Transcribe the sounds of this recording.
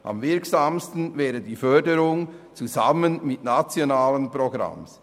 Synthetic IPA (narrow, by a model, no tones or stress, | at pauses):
ʔɑ̰mvɪɐksaːmstn̩vɛːɾədiːfœdəɾʊŋt͡suza̰mənmɪtnat͡sjonaːlənproɡɾa̰ms